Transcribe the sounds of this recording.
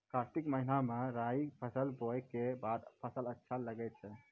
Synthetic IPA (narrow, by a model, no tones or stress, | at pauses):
kaɾt̪ikməɦinameɾaipʰəsəlbokebad̪pʰəsələtːʃʰaləɡɛt̪̚t͡ʃʰɛ